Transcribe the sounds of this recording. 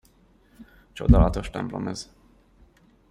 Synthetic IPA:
t͡ʃod̪ɑlɒt̪o̞ʃt̪ɛmplomɛz̥

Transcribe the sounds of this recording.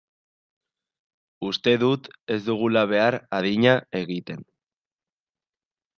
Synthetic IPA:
ust̪e̞ðut̪e̞zd̪uɣ̞ulaβ̞e̞aɾaðiɲae̞ɣit̪e̞n

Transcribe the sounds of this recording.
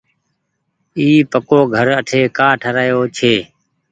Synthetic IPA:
iːpəkoːɡʱəɾəʈʰeːkaːʈʰəɾaːjoːt͡ʃʰeː

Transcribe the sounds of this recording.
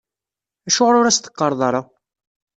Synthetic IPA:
æʃʊʁɾʊɾæst̪ə̥qːɑɾˤðˤɑɾˤɑ

